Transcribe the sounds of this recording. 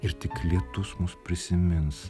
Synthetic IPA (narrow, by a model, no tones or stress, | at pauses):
ɪɾt̪ʲɪklʲɪt̪ʊsmʊspʲɾʲɪsʲɪmʲɪns